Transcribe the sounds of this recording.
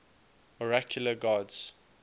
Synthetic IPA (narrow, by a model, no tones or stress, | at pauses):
ɔɹakʰjuləɡaːdz̥